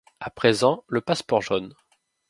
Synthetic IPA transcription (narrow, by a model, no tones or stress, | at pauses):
apχezɑ̃ləpaspɔʁʒɔn